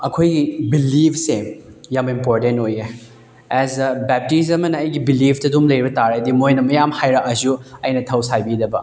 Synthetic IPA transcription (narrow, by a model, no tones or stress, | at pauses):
ɐkʰojɡibilipʰsejamimpoɾtentoje | ɛzɐbɛp̚tis̬ɐmɐnɐɐjɡibilipʰtɐdumlɐjɾibɐtaɾeɐdimojnɐmɐjamhajɾaʔɐsuɐjnɐtʰɐwsajbidɐbɐ̰